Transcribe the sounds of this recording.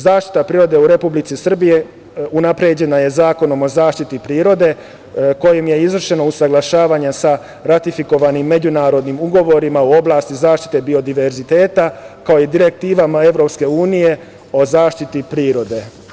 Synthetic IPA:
zaːʃt̪i̥t̪apɾiːɾo̞d̪e̞uɾe̞publit̪sisr̩bije̞ | unapɾe̞ːd͡ʑe̞naje̞zaːko̞no̞mo̞zaːʃt̪it̪ipɾiːɾo̞d̪e̞ | ko̞jimje̞izʋr̩ʃe̞nousaɡlˠaʃaːʋaɲasa | ɾat̪ifiko̞ʋanimːe̞d͡ʑunaːɾo̞d̪nimuɡo̞ʋo̞ɾimauo̞blˠaːst̪izaːʃt̪i̥t̪e̞bio̞d̪iʋe̞ɾzit̪e̞ːt̪akaojid̪iɾe̞k̚t̪iːʋamae̞ʋɾo̞pske̞uːnije̞ | o̞zaːʃt̪it̪ipɾiːɾo̞d̪e̞

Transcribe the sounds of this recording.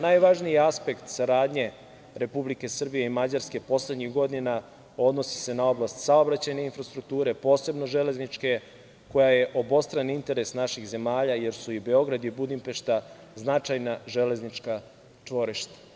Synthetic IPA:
najʋaʒnijeaspe̞kt̪saɾaːd̪ɲe̞ | ɾe̞publike̞sr̩bijeimad͡ʑaɾske̞po̞sle̞d̪ɲixɡo̞d̪ina | o̞d̪no̞si̥se̞nao̞blˠast̪sao̞bɾat͡ɕajne̞infɾast̪ɾuk̚t̪uːɾe̞po̞ːse̞bno̞ʒe̞le̞znit͡ʃke̞ | ko̞jajeʔo̞bo̞st̪ɾanint̪e̞ɾe̞snaʃiɣze̞maːʎaje̞ɾsuibe̞o̞ɡɾad̪ibud̪impe̞ʃt̪a | znat͡ʂajnaʒele̞znit͡ʂka | t͡ʂʋo̞ɾiʃt̪ḁ

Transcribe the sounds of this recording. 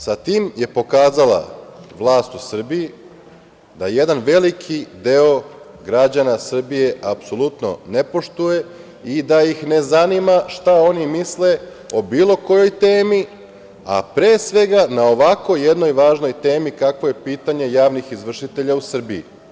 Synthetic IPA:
sat̪iːmje̞po̞kaːzala̰ʋlˠaːst̪usr̩biji | d̪aje̞d̪anʋe̞likʰid̪e̞o̞ | ɡɾad͡ʑanasr̩bije̞ʔapso̞lˠut̪no̞̰ne̞po̞ʃt̪uje̞ | id̪ajixne̞zanimaʃt̪ao̞nimisle̞ | o̞biːlo̞ko̞jo̞jt̪e̞ːmi | a̰pɾeːsʋe̞ɡanao̞ʋako̞jjed̪no̞jʋaːʒno̞jt̪e̞ːmikakʋo̞je̞piːt̪aɲe̞jaːʋnixizʋr̩ʃit̪e̞ʎausr̩biḭ

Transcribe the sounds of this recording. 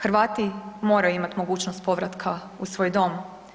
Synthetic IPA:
xɾʋaːt̪imo̞ːɾajuimat̪mo̞ɡuːt͡ʃnost̪̚po̞ʋɾat̪kʰa | usʋo̞ːjd̪o̞m

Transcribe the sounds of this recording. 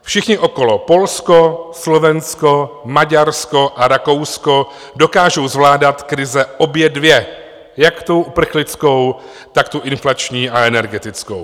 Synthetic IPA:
fʃɪxɲɪʔo̞ko̞lo̞po̞lsko̞slo̞vɛnsko̞maɟaɾsko̞ʔaɾako̞wsko̞ | do̞kaːʒo̞wzvlaːdat̪kɾɪzɛʔo̞bjɛdvjɛ | jakt̪owʔupr̩xlɪt͡sko̞w | t̪akt̪uʔɪnflat͡ʃɲiːaɛnɛɾɡɛt̪ɪt͡skow

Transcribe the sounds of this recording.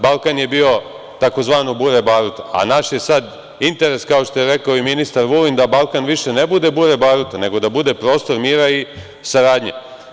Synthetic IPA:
balˠkanje̞bio̞ | t̪ako̞zʋaːnobuɾebaːɾut̪aʔa̰naʃje̞sad̪ | int̪e̞ɾe̞skaoʃt̪o̞jeɾe̞kaoiminist̪aɾʋulind̪abalˠkanʋiʃe̞nebud̪e̞buɾebaːɾut̪ane̞ɡo̞d̪abud̪e̞pɾo̞ːst̪o̞ɾmiːɾai | saɾaːd̪ɲḛ

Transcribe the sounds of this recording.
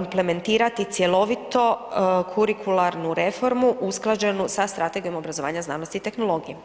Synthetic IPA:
imple̞me̞nt̪iːɾat̪it̪sje̞lo̞ʋit̪o̞kʰuɾikʰulˠaɾnuɾe̞fo̞ɾmuʔusklˠad͡ʒe̞nusast̪ɾat̪e̞ɡijo̞mo̞bɾazo̞ʋa̰ːɲazna̰ːnost̪iːt̪e̞xno̞lˠo̞ːɡije

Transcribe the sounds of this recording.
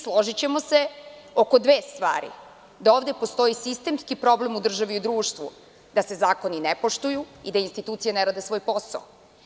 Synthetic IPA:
slˠo̞ʒit͡ɕe̞mo̞se̞ | oko̞d̪ʋeːst̪ʋa̰ːɾḭ | d̪aoːʋd̪e̞po̞st̪o̞jisist̪e̞mskipɾo̞ble̞mud̪r̩ʒaʋiud̪ɾuːʃt̪ʋṵ | d̪ase̞zaːko̞ninepo̞ʃt̪ujuid̪ainst̪it̪uːt̪sijaneɾaːd̪e̞sʋo̞ːjpo̞sa̰o

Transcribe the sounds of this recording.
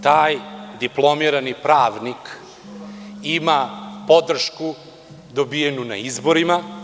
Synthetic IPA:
t̪aːjd̪iplˠo̞miɾanipɾaːʋnik | imapo̞d̪r̩ʃku | d̪obijenuna̰izbo̞ɾima

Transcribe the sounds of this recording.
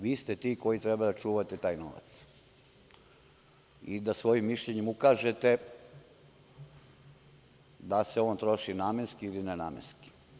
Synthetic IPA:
ʋiːst̪et̪iːko̞jit̪ɾɛbad̪at͡ʃuːʋat̪et̪aːjno̰ʋa̰t̪s | id̪asʋo̞jimːiʃʎeɲemukaːʒet̪e | d̪aseoːnt̪ɾo̞ʃinaːmenskiilinena̰ːmḛnski̥

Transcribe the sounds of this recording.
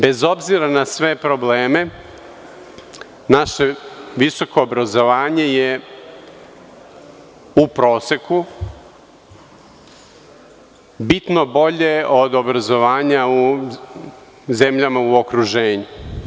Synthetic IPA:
be̞zo̞bziɾanasʋe̞pɾo̞bleːme̞ | naʃe̞ʋiso̞ko̞ːbɾazo̞ʋaːɲe̞je | upɾo̞ːse̞ku | bit̪no̞bo̞ʎe̞o̞d̪o̞bɾazo̞ʋaːɲau | zemʎamauokɾuʒeːɲu

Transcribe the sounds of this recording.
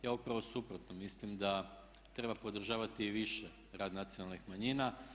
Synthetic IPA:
jaːupɾaʋo̞supɾo̞t̪nomislimd̪a | t̪ɾe̞bapo̞d̪r̩ʒaːʋat̪iːʋiʃe | ɾaːd̪nat̪sionalˠnixmaɲina

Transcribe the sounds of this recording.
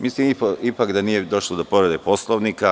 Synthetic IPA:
mislimipipakd̪anije̞d̪o̞ʃlˠod̪opo̞ɾed̪epo̞slˠoʋnika

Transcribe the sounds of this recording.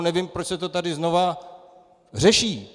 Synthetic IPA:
nɛvimpɾot͡ʃsɛt̪o̞t̪adɪzno̞va | r̝ɛʃiː

